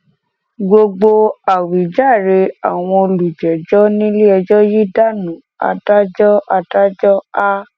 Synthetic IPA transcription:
ɡo˧ɡ͡bo˧a˨wi˨˦d͡ʒa˦˨ɾe˧a˨w̃ɔ̃˧o˧lu˨d͡ʒɛ˨d͡ʒɔ˦nĩ˦le˦ɛ˧d͡ʒɔ˦ji˦da˦˨nũ˨˦ | a̰˧da˦d͡ʒɔ˦a˧da˦d͡ʒɔ˦a˦

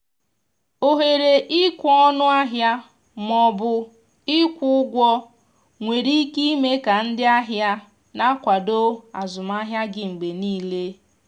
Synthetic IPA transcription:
o˦ɦe˨ɾe˨ʔɪ˦kʷɔ˦ɔ˦nʊ˦a˦ɦja˦ | mɔ˦bʊ˦ | ɪ˦kʷʊ˦ʊ˦ɡʷɔ˦ | ŋʷe˨ɾi˦ki˦me˦ka˨n̩˦dɪ˦a˦ɦja˦ | na˦kʷa˨do˦a˨zʊ˨ma˦ɦja˦ɡɪ˨ŋ͡m̩˨ɡ͡be˨niː˦le˦

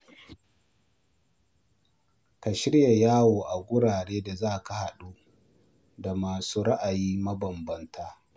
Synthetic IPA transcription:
ka˨ʃɪ˦ɽja˨jaː˦woː˨ʔa˨ɡʷʊ˦ɽaː˨ɽeː˦da˨zaː˦˨ka˨ha˨ɗuː˦ | da˨maː˨suː˦ɽa˦ʔa˨jiː˦mɐ˦bɐ˨mbɐ˦ntʰaː˦

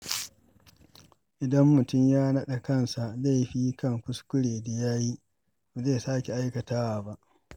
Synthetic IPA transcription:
ʔɪ˨dɐ˦mːʊ˨tʊ˦˨mjaː˦nɐ˦ɗa˨kɐ˦˨nsa˨la˦˨jɸiː˦kɐ˦ŋkʷʊ˦skʷʊ˦ɽeː˨da˨jaː˦ji˦ | ba˨ze˦˨saː˦kʲe˨ʔa˦jkɐ˨taː˦wa˨ba˦ʔ

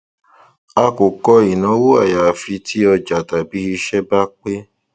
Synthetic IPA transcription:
a˧ko˨kɔ˧i˨nɔ̃˨˦wo˦a˦˨ja˨fi˧˦tʰi˦ɔ˧d͡ʒa˨ta˨bi˧hi˧ʃɛ˦ba˦k͡pe˦

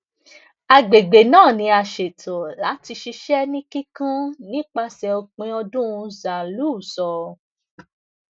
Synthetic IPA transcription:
a˧ɡ͡be˨ɡ͡be˨nãː˦˨nĩ˨˧˦a˧˨ʃe˨tʰo˨la˨˦ti˧ʃi˧ʃɛ˦nĩ˦ki˦kã˦nĩ˦k͡pa˧sɛ˧o˧k͡pẽ˧ɔ˧dũ˦ũ˧za˨lu˦˨sɔ˨

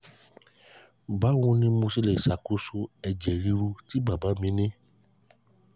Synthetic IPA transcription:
ba˦wõ˧nĩ˦mõ˧si˧le˨sa˨ku˦su˧ɛ˧d͡ʒɛ˨ɾi˧ɾu˧ti˨˦ba˨ba˨˦mĩ˨˦nĩ˦

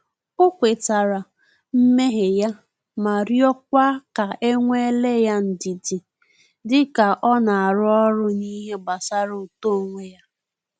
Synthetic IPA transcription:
ʊ˦kʷe˨ta˨ɾa˨ | m̩˦me˦ɦe˨ja˦ | ma˨ɾjɔ˦k̚ʷa˦ka˨ʔe˦ŋʷe˦le˦ja˦n̩˨di˨di˨ | dɪ˦ka˨ʔɔ˦na˨a˨ɾʊ˦ɔ˦ɾʊ˦ni˦ɦe˦ɡ͡ba˨sa˦ɾo˨to˦˨ŋʷe˦ja˦

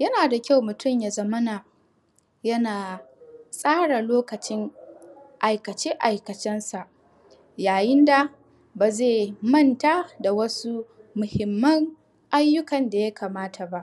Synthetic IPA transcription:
jɐ˦naː˨da˨kʲa˦˨wmʊ˨tʊ˦˨mja˨zɐ˦mɐ˦naː˨ | jɐ˦naː˨sʼaː˦ɽa˨loː˦kɐ˨t͡ʃɪ˦ŋ | ʔa˨jkɐ˨t͡ʃeː˦ʔa˨jkɐ˨t͡ʃɛ˦nsa˨ʔ | jaː˨jɪ˦nda˨ | baː˨zeː˦˨mɐ˦˨ntaː˦da˨wɐ˦su˦mʊ˨hɪ˨mːɐ˦ŋ | ʔa˦jːʊ˦kɐ˨nda˨ja˦kʰaː˨maː˦tʰa˨ba˦ʔ

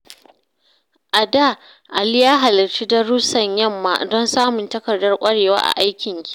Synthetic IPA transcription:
ʔa˨daː˦˨ | ʔa˨lɪ˦jaː˦ɦa˨lɪ˨rt͡ʃi˦dɐ˦ɽʊ˦sɐ˨ɲjɐ˦mːa̰ː˨dɔ˦nsaː˦mʊ˨ntɐ˦kɐ˨rdːɐ˦rkʷʼɐ˦ɽeː˨wa̰ː˦ʔa̰˨ʔa˦jkʲɪ˨ŋkʲi̥˦

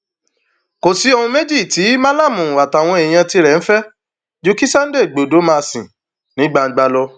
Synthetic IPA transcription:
ko˨si˨˦o˧hũ˧me˦d͡ʒi˦˨ti˨˦mã˦la˦˨mũ˨wa˨ta˨w̃ɔ̃˧e˨j̃ã˧ti˧ɾɛ˨n̩˦fɛ˦ | d͡ʒu˧ki˦sa˦n̩˦de˦˨ɡ͡bo˨do˨˦mã˦˧sĩ˨ | nĩ˨˦ɡ͡ba˧˦ɡ͡ba˧lɔ˧

